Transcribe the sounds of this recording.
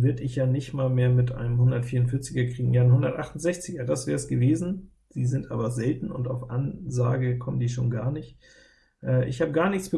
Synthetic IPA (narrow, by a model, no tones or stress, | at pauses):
vɪɐtɪçjaːnɪçtmaːlmeːɐmɪtʔa̰ɪnəmhʊndɐtfiːɐʊnfɪɐt͡sɪɡɐkʁ̥iːɡŋ̩jaːɪnhʊndɐtʔaχtʊnzɛçt͡sɪɡɐdasv̥ɛːɐsɡ̥əveːzn̩ | z̥iːzɪntʔa̰ːbɐzɛltn̩ʊntaʊfʔanzaːɡəkʰɔməndiːʃo̰ːnɡaːɐnɪçt | ʔɛːʔɪ̰çhaːbəɡaːɐnɪçt͡sb̥ə